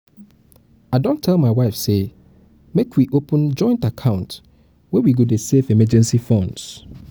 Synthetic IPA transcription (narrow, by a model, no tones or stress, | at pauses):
aɪdõntʰɛlˠmãɪwaɪfse | mekʰwiʔopʰə̃nd͡ʒɔ̃ɪ̃ntakʰãʊ̃nt | wɛwiɡodesefɛmɛd͡ʒɛ̃nsifɔ̃nds